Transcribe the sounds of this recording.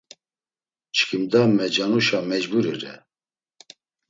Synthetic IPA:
t͡ʃʰkʰimd̪amɛd͡ʒanuʃamɛd͡ʒbuɾiɾɛ̰

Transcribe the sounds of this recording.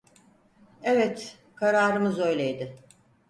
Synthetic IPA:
evɛt̪ | kʰaɾaːɾɯmɯzø̞jlʲejd̪ɪ

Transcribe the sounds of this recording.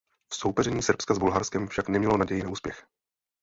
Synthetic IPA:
fso̞wpɛrɛɲiːsrpskazbulɦaɾskɛmfʃaknɛmɲɛlonaɟɛjɪnɛuːspjɛx

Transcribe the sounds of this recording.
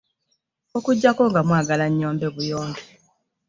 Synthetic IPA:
okuɟːako̞ŋɡamwaːɡalaɲːo̞ːmbeβujoːmbe

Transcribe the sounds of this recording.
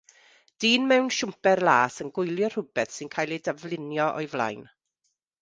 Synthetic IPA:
d̥iːnmɛwnʃʊmpɛrlˠaːsənɡʊjlˠjɔr̥ʊbɛθsɪnkʰaːjlˠidavlˠɪnjɔʔɔ̰jvlˠa̰jn

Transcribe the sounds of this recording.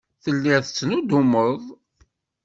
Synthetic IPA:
θəlːɪθət͡sːnud̪uməðˤ

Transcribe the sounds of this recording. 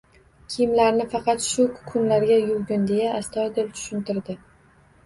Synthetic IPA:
kʲʰijmlaɾnɪfɑqɑt̪ʃʊkʰʊnlaɾɡʲajʊlɡʲʊnd̪e̞jaʔːst̪ʰɒd̪ɪlt̪ʰʊ̥ʃʊnt̪ɪɾd̪ɪ

